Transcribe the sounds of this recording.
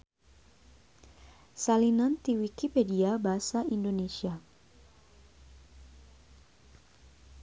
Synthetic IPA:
salinant̪iwikipediabaɦasaindonesia

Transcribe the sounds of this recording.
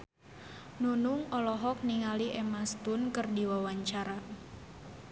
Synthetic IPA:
nunʊŋɔlɔɦɔk̚niŋaliʔɛmast̪ʊnkɨrdiwawaɲt͡ʃaɾa

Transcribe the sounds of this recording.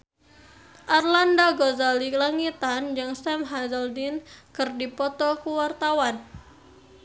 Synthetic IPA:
ʔarlandaɡozalilaŋit̪and͡ʒɨŋsɛmɦazaldinkɨrdipɔt̪ɔkuwart̪awan

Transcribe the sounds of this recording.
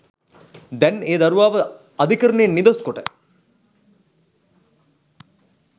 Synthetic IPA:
d̪ɛneːd̪ɐɾuʋaːʋə | ɐd̪ʱikəɾənenːid̪oskoʈə

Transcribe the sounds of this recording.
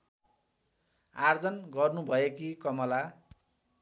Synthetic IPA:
ard͡zʌnɡʌrnubʱʌjekikʌmʌla

